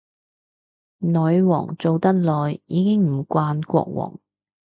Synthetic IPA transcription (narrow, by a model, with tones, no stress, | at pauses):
nɔː˨˧jwɔ̰ː˨˩ŋt͡so˨wt̪ɐ˥t̚lɔː˨˩jːiː˨˧kɪ˥ŋm̩˨˩kʷwaː˧nkʷɔ̰ː˧k̚wɔ̰ː˨˩ŋ